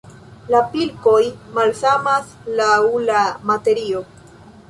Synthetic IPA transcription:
lapilko̞jmalsamas | lawlamate̞ɾio̞

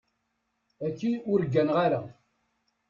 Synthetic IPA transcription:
ækːiʊɾəɡːænʁaɾa

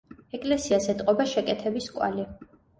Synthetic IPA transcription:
ɛkʼlɛsiazɛt̪ʼqʼɔbaʃɛkʼɛt̪ʰɛbiskʼwa̰li

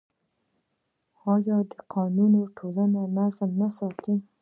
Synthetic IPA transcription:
ɑjɑd̪əqʰɑnunoʈʰolananazmnasɑt̪i

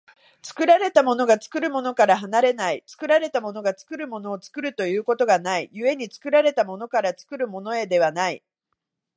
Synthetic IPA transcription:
t͡sɨ̥kɯ̟ɾaɾe̞t̪amo̞no̞ɡat͡sɨ̥kɯ̟ɾɯ̟mo̞no̞kaɾaɦanaɾe̞nait͡sɨ̥kɯ̟ɾaɾe̞t̪amo̞no̞ɡat͡sɨ̥kɯ̟ɾɯ̟mo̞no̞ːt͡sɨ̥kɯ̟ɾɯ̟t̪o̞jɯ̟ːko̞t̪o̞ɡanaijɯe̞ɲ̟it͡sɨ̥kɯ̟ɾaɾe̞t̪amo̞no̞kaɾat͡sɨ̥kɯ̟ɾɯ̟mo̞no̞e̞d̪e̞β̞anai

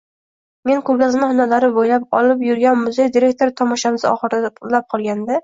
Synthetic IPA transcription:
me̞ŋkʰoɾɡʲazɪmɪhʊnalaɾɪbojlap̚ɒ̰lˠɪpjʊɾɡʲanmʊzejd̪iɾe̞k̚t̪ʰo̞ɾt̪ʰɒmɒʃamɪzɒ̰χɨɾd̪lap̚qʰɒlˠɡʲand̪ɪ

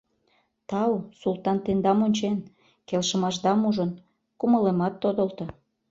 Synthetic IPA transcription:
t̪ɑlwsulˠt̪ɑnt̪end̪ɑmonʲt͡ɕen | kelʃə̆mɑʃd̪ɑmuʒən | kuməlemɑt̪ːod̪əlt̪ŏ

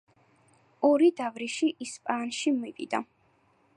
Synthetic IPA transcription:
ɔɾid̪avɾiʃiʔispʼanʃimivḭd̪̥a

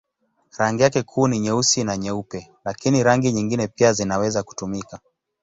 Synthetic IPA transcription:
ɾaŋɡijakɛkʰuːniɲɛusinaɲɛupɛlakiniɾaŋɡiɲiŋɡinɛpiazinawɛzaku̥tumika

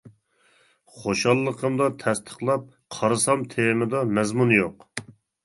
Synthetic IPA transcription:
χoʃɑlˠːəqʰəmd̪ɑt̪ʰɛst̪ʰə̥χlˠɑp̚ | qʰɑɾɨsɑmt̪ʰeɾnɨd̪ɑmɛzmunjoq

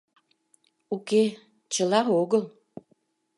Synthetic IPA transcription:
uke | t͡ɕəlɑoɣəl

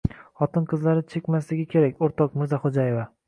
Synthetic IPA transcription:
χɒt̪ɪnqʰɨzlaɾɪt͡ʃʰe̞kʲmaslɪɡʲakʲʰe̞ɾakʲoɾt̪ʰɒqmʊzaχod͡ʒajeva

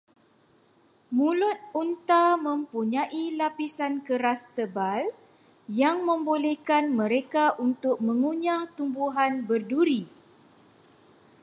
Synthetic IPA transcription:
mulʊt̪̚unt̪amə̃mpuɲãʔilapisankəɾast̪əbal | jaŋmə̃mbolɛhkanmə̃ɾekaʔunt̪ʊk̚mə̃ŋuɲãt̪umbuɦanbərduɾi

